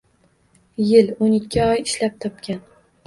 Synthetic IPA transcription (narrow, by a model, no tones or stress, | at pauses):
jɪlonɪkʲːɪɒjɪʃlap̚t̪ʰɒp̚kʲan